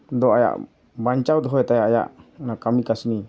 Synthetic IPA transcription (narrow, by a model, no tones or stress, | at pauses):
d̪ɔaja̰ʔ | baɲt͡ʃawd̪ɔɦɔjɛt̪ajaʔaja̰ʔnakamikasni